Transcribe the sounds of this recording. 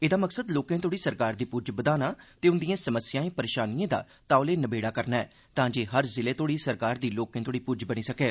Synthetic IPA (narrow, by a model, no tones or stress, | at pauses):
eːd̪aːməksəd̪loːkẽːt̪oːɽiːsəɾkaːɾd̪iːpuːd͡ʒbəd̪aːnaːt̪eːʊnd̪ijãːsəməsjaːẽːpəɾeːʃaːnijãːd̪a̰ː | t̪aːʊleːnəbeːɽaːkəɾnaːɛː | t̪ãːd͡ʒeːɦəɾzɪleːt̪oːɽiːsəɾkaːɾd̪iːloːkẽːt̪oːɽiːpuːd͡ʒbəniːsəkɛː